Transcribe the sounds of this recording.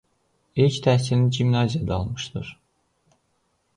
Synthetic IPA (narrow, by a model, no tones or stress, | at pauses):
ilct̪ʰæhsilid͡ʒimnɑzijɑd̪ɑlˠmɯʃd̪ɯɾ̥